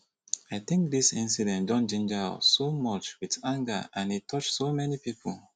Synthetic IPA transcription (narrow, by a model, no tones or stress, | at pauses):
aɪθɪ̃ŋk̚disĩnsidɛ̃ntdɔ̃nd͡ʒĩnd͡ʒaa̰somɔt͡ʃwiðãŋɡə̰ãnitʰɔt͡ʃsomɛnipipʰol